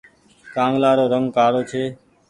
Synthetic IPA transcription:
kãːŋɡlaːɾoːɾəŋɡkaːɽoːt͡ʃʰeː

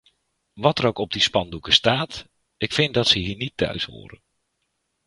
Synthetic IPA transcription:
ʋɔtəɾowkɔb̚dispɑndukəstaːt | ɪkfɪndɔtsəɦiːnitʰːœ̰ɥsho̰ːɾə̰

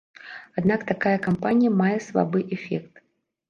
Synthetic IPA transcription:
ad̪nakt̪akajɐkampanʲijɐmajɛsva̰bɨʔɛfʲɛkt̪

